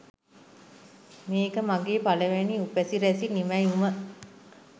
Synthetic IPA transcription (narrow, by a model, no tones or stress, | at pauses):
meːkəmaɡeːpaləʋeniupæsiɾæsinimæjumə